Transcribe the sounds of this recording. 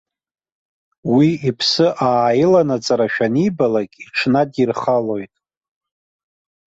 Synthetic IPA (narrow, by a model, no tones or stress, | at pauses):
wiipʰsɨʔaːjɪlanat͡sʼaɾaʃᶣanibalakʲʼiʈ͡ʂʰnadʼirχalo̞jtʼ